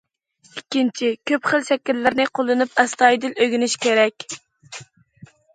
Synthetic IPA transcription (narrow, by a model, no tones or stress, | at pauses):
ikʲːint͡ʃʰikʲʰøpχəlˠʃɛkʲilːɪɾnɪqʰolˠːɨnɨpɛst̪ɑjd̪ɪløɡʲinɪʃkʲeɾɛkʲ